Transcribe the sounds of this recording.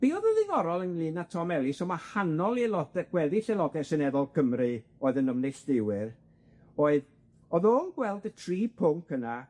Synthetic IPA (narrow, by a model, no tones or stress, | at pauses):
b̥iːɔðəðɨðɔɾɔlˠənlˠɨnatʰɔmɛlˠɪsɔmahanɔlˠilɔdɛɡ̥wɛðiɬɛlˠɔdɛsɨnɛðɔlˠkʰəmrɨoːɨðənəmnejɬd̥ɪwɨr | oːɨð | ɔðoːnɡwɛlˠdətʰriːpʰʊŋkəna